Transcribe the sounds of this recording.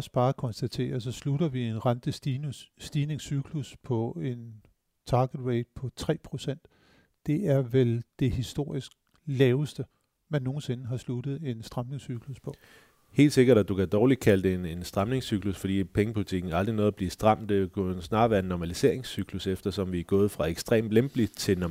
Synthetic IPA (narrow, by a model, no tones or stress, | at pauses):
ɒsb̥ɑ̈ːkʰɒ̽nsd̥æt͡sʰe̝̰ːɐsɒ̽sluɾɐʋie̝nʁɑnd̥ə̥ː | d̥iːne̝ŋsyɡ̥ʰluspʰɒ̽e̝n | t͡sʰɑ̈ːɡ̥əd̥weɪd̥̚pʰɒ̽t͡sʰʁɛ̰ːpʰʁo̝sen̰d̥ː | e̝ʔæɐʋeld̥e̝hisd̥o̝ɐ̰isɡ̥̚ | lɛːʊəsd̥ə | mænːo̝ːn̩se̝nəɦɑ̈sludð̞̩ˠe̝nsd̥ʁɑ̈mne̝ŋsyɡ̥ʰluspʰɒ̽ | he̝̰ːld̥se̝ɡ̥ɐɾæd̥ukæd̥ɒːli̥kʰæləd̥eene̝nsd̥ʁɑ̈mne̝ŋsyɡ̥lusfɒ̽dḭːpʰeŋəpʰulit͡sʰiɡ̥n̩æɑ̈ld̥ʁinɔ̽ːð̩ˠɐb̥liːsd̥ʁɑ̈m̰d̥ekʰunsnɑ̈ːʋæːɐe̝nːɒmælise̝̰ɐ̰eŋsyɡ̥lusefd̥ɐsɒ̽mʋiæɡ̥ɔ̽ːð̞̩ˠfʁɑ̈eɡ̥sd̥ʁḛːmd̥lemb̥lid̥̚t͡sʰe̝